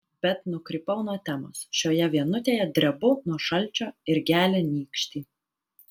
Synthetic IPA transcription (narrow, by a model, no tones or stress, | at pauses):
b̥ʲɛt̪nʊkɾʲɪpɐʊnuɔt̪ʲɛmoːsʃʲoːjɛʋʲiɛnʊt̪ʲeːjɛd̪ʲɾʲɛbʊnuɔʃɐlʲt͡ʃʲoːɪɾɡʲæːlʲenʲiːkʃʲt̪ʲiː